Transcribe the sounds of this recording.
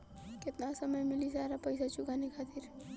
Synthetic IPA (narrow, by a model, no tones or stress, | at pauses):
kɪt̪nasəməjmɪlisaɾapəɪsat͡ʃukanikʰat̪ʰiːɾ